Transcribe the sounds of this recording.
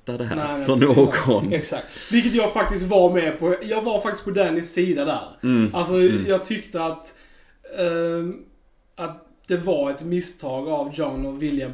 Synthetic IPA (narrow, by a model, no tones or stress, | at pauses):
t̪ːad̪ɛɦæ̰nɛfœnoːɡɔnɛksak̚t̪vɪlkət̪jɑːɡfak̚t̪ɪst̪vaɾmɛpʰɔjɑːɡvaɾfak̚t̪ɪskpɔd̪ɛnɪsiːd̪ad̪æ̰ːɾals̬ɔjɑːɡ̚t̪ʰʏkt̪əat̪ | at̪̚ | d̪̥ɛvaɾɛt̪mɪst̪ʰɑːɡavd͡ʒanɔvɪlja